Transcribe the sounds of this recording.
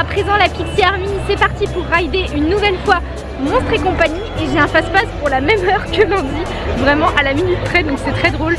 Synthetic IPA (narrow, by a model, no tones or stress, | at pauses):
apχezɑ̃lapik̪iaʁmisɛpaʁt̪ipuʁːajd̪eʔynːuvɛlfwa | mɔ̃p̪χekɔ̃paɲieʒeɛ̃faspaspuʁlamɛmœʁkəlɛ̃d̪i | vʁɛmɑ̃ʔalaminyt̪pχɛd̪ɔ̃ksɛt̪χɛd̪ʁol